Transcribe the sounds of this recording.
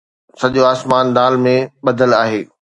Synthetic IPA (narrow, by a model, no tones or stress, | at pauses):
sɐʄoaːsmaːnd̪aːlmẽɓɐd̪ʱəlaːɦeː